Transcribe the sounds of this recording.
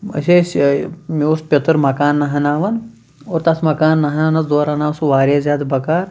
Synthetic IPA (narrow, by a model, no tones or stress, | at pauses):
ɐ̰sʲeːsmeuspʲɐt̪ɾmɐkaːnːɐɦɐnaːʋɐn | oːɾt̪ɐsʰmɐkaːnːɐɦɐnanɐsd̪oːɾaːnaːʋsʋaːɾeːzʲjaːd̪bɐkaːɾ